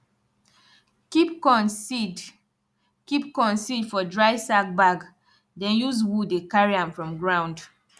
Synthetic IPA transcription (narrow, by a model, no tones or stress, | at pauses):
kikɔ̃nsid | kipkɔ̃nsidfɔdɹaɪsak̚baɡ | dɛ̃njuzwudekaɹiãnfɹɔ̃mɡɹãw̃nd